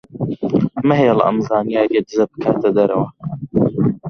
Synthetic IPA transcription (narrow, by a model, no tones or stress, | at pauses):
mɐɦejɛl̰ʔɐ̰mzaːnijaːɾijed̪ɨzɐbɨ̥kʰaːt̪ɐd̪ɐɾɐwɐ